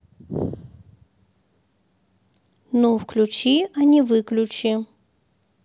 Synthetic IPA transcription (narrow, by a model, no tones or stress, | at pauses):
nofklʲut͡ɕiɐnʲivɨklʲʊt͡ɕi